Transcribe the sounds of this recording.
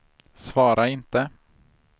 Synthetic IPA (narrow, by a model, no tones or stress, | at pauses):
svɑːɾʔaɪnt̪ə